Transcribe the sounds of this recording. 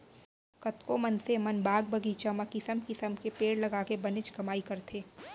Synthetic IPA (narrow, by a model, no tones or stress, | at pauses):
kɐt̪komɐnsemɐnbaːɡ̚bɐɡit͡ʃɐməkisəmkɪsəmkepeːɽlɐɡaːkebɐnɪt͡ʃkɐmaːikɐɾt̪ʰeː